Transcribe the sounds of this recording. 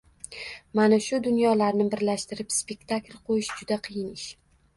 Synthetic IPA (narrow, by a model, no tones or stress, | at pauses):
manaʃʊd̪ʊnjɒlaɾnɪbɪɾlaʃt̪ɪɾɪpspʲe̞kt̪ʰaklʲqʰojɪʃd͡ʒʊd̪aqʰɨjɪnɪʃ